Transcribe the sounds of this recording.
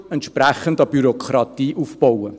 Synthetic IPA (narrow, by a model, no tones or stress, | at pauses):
ɛntʃpræχəndɑb̥yɾokʰχɾɑtiːʔufb̥ɔwə